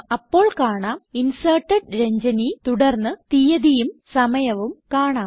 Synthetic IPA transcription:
ɐpːo̞ːɭkaːɳaːminsɐːʈːɐɖɾeɲd͡ʑɐnit̪uɽɐrnːɨt̪ijɐðijumsɐmɐjɐʋumkaːɳaː

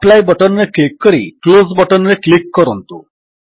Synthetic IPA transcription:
plajbəʈənːeklikːəɾḭklozbəʈənneklikːɔɾɔnt̪ṵ

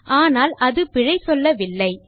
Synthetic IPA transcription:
ʔaːnaːlʔɐðɯpɪɻɐɪsɔlːɐʋɪlːɐɪ

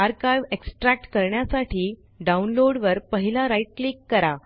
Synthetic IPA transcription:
aɾkajʋeksʈɾæk̚ʈkəɾɳjasaʈiː | ɖaunloɽʋəɾpəɦilaɾaiʈ̚klikːəɾa

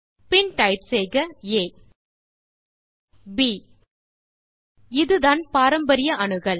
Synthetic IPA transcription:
pɪnʈɐɪʈsɛːɣɐeː | biː | ɪðɯðaːnpaːɾɐmbɐɾɪjɐʔɐɳɯɣɐɭ

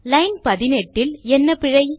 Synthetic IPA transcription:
lɐɪnpɐðɪnɛʈːɪlɛnːɐpɪɻɐɪ

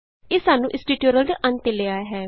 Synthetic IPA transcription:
eːsaːnũːʔɪsʈiːʈjoɾəlɖ̪eʔə̃nt̪eleːaːɦɛː

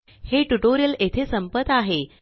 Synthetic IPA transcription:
heʈuʈoɾijəlet̪ʰesəmpət̪aɦe

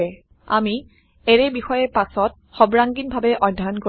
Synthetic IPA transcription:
ɛ | a̰mi | ɛɹɛbixɔjɛpasɔt̚xɔbɹaŋɡinbʱabɛʔɔdʱːanko

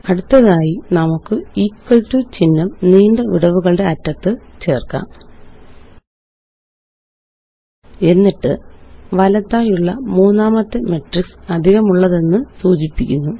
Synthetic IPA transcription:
ɐɽut̪ːɐðaːjinɐmukːɨiːkːɐɭtut͡ɕinːɐmniːndɐʋiɽɐʋuɣɐɭɨɖe̞ɐtːɐt̪ːɨt͡ɕe̞ːrka̰ːm | e̞nːiʈːɨʋɐlɐt̪ːaːjuɭːɐmuːnːaːmɐt̪ːeme̞ʈriksɐd̪ʱiɣɐmuɭːɐðe̞nːɨsuːt͡ɕipːikʲːunːu

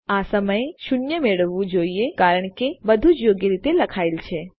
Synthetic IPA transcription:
asəməjʃuɳjəmeɭəʋːũd͡ʒoiekaɾəɳ̃kebəd̪ʱud͡ʒjoɡjəɾit̪eləkʰailt͡ʃʰe

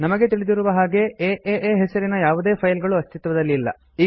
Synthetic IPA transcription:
nɐmɐɡe̞t̪̬iɭid̪iɾuʋɐɦaːɡe̞eːʔeʔeːɦɛsɐɾinɐjaːʋud̪e̞ːpʰɐjlɡɐɭuɐst̪it̪ʋɐd̪ɐlːiːlːɐ̰ | iː

